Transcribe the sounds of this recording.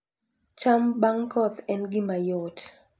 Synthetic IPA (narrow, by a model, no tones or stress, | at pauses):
t͡ʃambaŋkɔt̪ɛnɡimajot